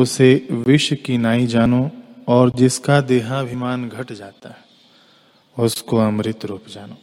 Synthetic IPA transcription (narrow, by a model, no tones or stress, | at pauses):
ʊseʋɪʃwəkinaːid͡ʒaːnoɔːɾd͡ʒɪskad̪eːɦãbʱɪmaːnɡʱɐʈd͡ʒaːt̪aɦɛ | ʊskoɐmɾɪt̪ɾuːpd͡ʒaːnoː